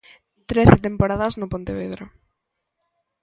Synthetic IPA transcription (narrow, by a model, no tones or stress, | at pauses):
t̪ɾeθet̪empoɾaðɐznʊpont̪eβeðɾʊ